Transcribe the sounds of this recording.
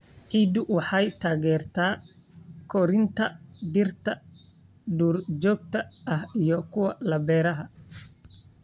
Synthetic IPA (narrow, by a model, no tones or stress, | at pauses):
ʕiːd̪ʊwɑħɑjt̪ʰaːɣɛːrt̪ʰaː | kʰɔɾɪnt̪ʰɐd̪ɪrt̪ʰɐ | ɖuːrd͡ʒɔːɡ̚t̪ʰɐɐhijɔkʰʊwɐlɐbɛːɾɐɦɐ